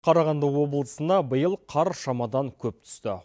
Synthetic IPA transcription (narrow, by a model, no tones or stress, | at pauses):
qʰɑɾɑʁɑnd̪əwo̞blˠəsənd̪ɑbəjəlˠqʰɑɾʃɑmɑd̪ɑŋkʲʰɵp̚t̪ʰʏ̥st̪ɪ